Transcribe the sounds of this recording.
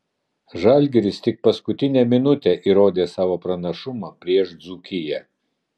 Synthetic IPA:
ʒɐlʲɡʲɛɾʲɪst̪ʲɪk̚pɐskʊt̪ʲɪnʲɛmʲɪnʊt̪ʲɛʔiɾoːd̪ʲeːsɑːʋoːpɾɐnɐʃʊmɑːpʲɾʲiɛʃd̪zuːkʲɪjɛ

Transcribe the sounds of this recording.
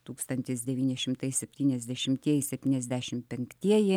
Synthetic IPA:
t̪uːkst̪ɐnʲt̪ʲɪs̬d̪ʲɛʋʲiːnʲɪʃʲɪmt̪ɐɪsʲɛpʲt̪ʲiːnʲɛzʲd̪ʲɛʃʲɪmt̪ʲiɛjɪsʲɛpʲt̪ʲiːnʲɛzʲd̪ʲæːʃʲɪmpʲɛŋkt̪ʲiɛjɪ

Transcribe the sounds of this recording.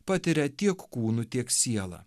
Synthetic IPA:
pɑːt̪ʲɪɾʲɛt̪ʲiɛkkuːnʊt̪ʲiɛksʲiɛlˠɐ̰

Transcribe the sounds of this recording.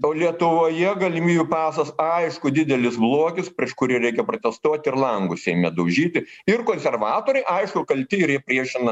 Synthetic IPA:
oːlʲiɛt̪ʊʋoːjɛɡɐlʲɪmʲiːbʲʊpɑːsɐsɐɪʃkʊd̪ʲɪd̪ʲɛlʲɪsblˠoɔkʲɪspʲɾʲiɛʃkʊɾʲiːɾʲɛɪkʲɛpɾot̪ʲɛst̪oɔt̪ʲɪrlˠɐŋɡʊsʲɛɪmʲɛd̪ɐʊʒʲiːt̪ʲɪɪrkoːnʲsʲɛrʋɑːt̪oːɾʲɛɪʔɐɪʃkʊkɐlʲt̪ʲɪɪɾjiɛpʲrʲiɛʃʲɪnɐ

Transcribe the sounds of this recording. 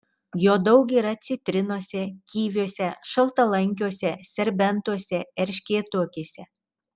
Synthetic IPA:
joːd̪ɐʊk̬iːɾɐt̪sʲɪt̪ʲɾʲɪnuɔsʲɛkʲiːʋʲuɔsʲɛʃɐlˠt̪ɐlˠɐŋʲkʲuɔsʲɛsʲɛɾʲbʲɛnt̪uɔsʲɛɛɾʲʃʲkʲeːt̪uɔkʲeːsʲɛ

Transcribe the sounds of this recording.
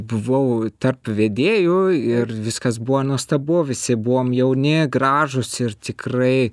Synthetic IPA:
bʊʋɐʊt̪ɐrpʋʲeːd̪ʲeːjʊɪrʋʲɪskɐsbʊʋɐnuɔst̪ɐboːʋʲɪsʲɪbʊʋoːmjɛʊnʲɪɡrɑːʒʊsɪrt̪ʲɪkrɐɪ

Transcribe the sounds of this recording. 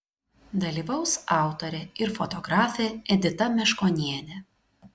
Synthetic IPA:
d̪ɐlʲiːʋɐʊsɑˑʊt̪ɔɾʲɛɪɾfɔt̪ɔɡɾɑːfʲɛɛd̪ʲɪt̪ɐmʲɛʃkoːnʲiɛnʲɛ

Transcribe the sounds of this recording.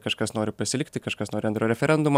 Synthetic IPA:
kɐʃkɐsnoːɾʲɪpɐsʲɪlʲɪk̚ʲt̪ʲɪkɐʃkɐsnoːɾʲɪɐnt̪ɾoːɾʲɛfʲɛɾʲɛnd̪ʊm

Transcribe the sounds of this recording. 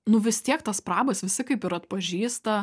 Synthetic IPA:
nʊʋʲɪst̪ʲiɛkt̪ɐspɾɑːbɐsʋʲɪsʲɪkɐɪpɪɾɐt̪pɐʒʲiːst̪ɐ

